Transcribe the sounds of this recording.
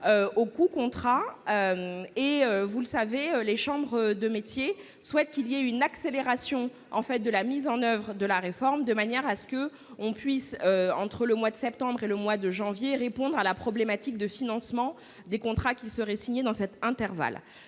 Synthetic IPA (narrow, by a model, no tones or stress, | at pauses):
øokukɔ̃t̪χaømeøvuləsaveøleʃɑ̃bʁəd̪əmet̪je | swɛt̪kʲilijeynakseleʁasjɔ̃ | ɑ̰̃fɛt̪̚d̪əlamizɑ̃nœvʁəd̪əlaʁefɔʁmd̪əmanjɛʁasə̥kə | ɔ̃pɥisøɑ̰̃t̪χələmwad̪əsɛp̚t̪ɑ̃bʁeləmwad̪əʒɑ̃vjeʁepɔ̃d̪ʁalapχɔblemat̪ik̚d̪əfinɑ̃smɑ̃ | d̪ekɔ̃t̪χakʲisəʁɛsiɲed̪ɑ̃sɛt̪ɛ̃t̪ɛʁva̰l